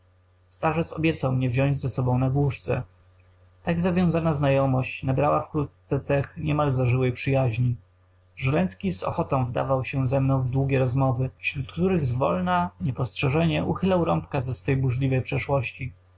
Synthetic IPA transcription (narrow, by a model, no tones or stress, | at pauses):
st̪aʐɛt̪sɔbʲjɛt̪sawmɲɛvʑɔ̃ɲd͡ʑzɛsɔbɔ̃w̃naɡwuʂt̪sɛ̰ | t̪aɡzavʲjɔ̃w̃zanaznajɔmɔɕt͡ɕnabɾawafkɾut̪t̪sɛt̪sɛxɲɛmalzaʐɘwɛjpʂɘjaʑɲi | ʐɛlɛnt̪skʲizɔ̰xɔt̪ɔ̃w̃vd̪a̰vawɕɛzɛmnɔ̃w̃vd̪wuɡʲɛɾɔzmɔvɘfɕɾut̪kt̪uɾɘɣzvɔ̰lnaɲɛpɔstʂɛʐɛɲɛʔuxɘlawɾɔmpkazɛsfɛjbuʐlʲivɛjpʂɛʂwɔɕt͡ɕi